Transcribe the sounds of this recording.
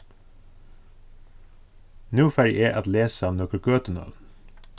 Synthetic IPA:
nʉːfæɾɪʔeːʔɑt̪leːsəɑːnɔkəɾkøːt̪ənœ̰ln

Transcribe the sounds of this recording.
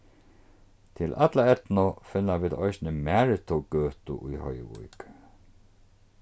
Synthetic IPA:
t̪ʰɪlʔat̪laɛt̪nʊfɪnːaʋiːd̪ɔɪsnəmæːɹɪt̪ʰɔɡøːht̪ʊ̰ʔujhœj̰ʋṵjk

